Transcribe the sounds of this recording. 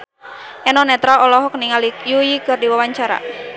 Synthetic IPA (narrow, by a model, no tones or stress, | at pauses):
ʔɛnɔnɛt̪ɾaɔlɔɦɔkniŋalijujikɨrdiwawaɲt͡ʃaɾa̰